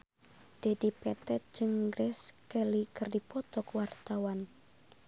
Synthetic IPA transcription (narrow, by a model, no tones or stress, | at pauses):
d̥e̤dipɛt̪ɛt̪̚d͡ʒɨŋɡɾʔɛskɛlikərdipɔt̪ɔkwart̪awan